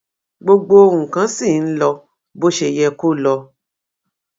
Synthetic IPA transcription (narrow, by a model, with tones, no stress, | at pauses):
ɡ͡bo˧ɡ͡bo˧˦˧wũ˨kã˨˦sĩ˦˨n̩˦lɔ˧ | bo˦ʃe˨jɛ˧ku˦lɔ˧